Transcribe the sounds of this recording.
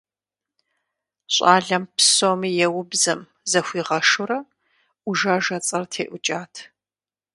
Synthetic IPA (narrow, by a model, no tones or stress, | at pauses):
ɕʼaːɮɐmpʰsoːmijɛwʊbzɐm | zɐxʷiːʁɐʂʊɾɐ | ʊʒaːʒɐt͡sʼɐrtʰeːʔʷʊt͡ʃʼaːtʰ